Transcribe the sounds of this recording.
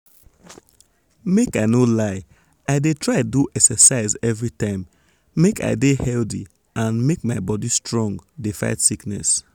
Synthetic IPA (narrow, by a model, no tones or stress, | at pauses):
mekaɪnolaɪ | aɪdetʰɹaɪduʔɛksɛsaɪzɛvɹitãɪ̃mː | eka̰ɪdehɛldi | ãnmek̚maɪbɔdistɹɔ̃ŋɡdefa̰ɪtsiknɛ̰s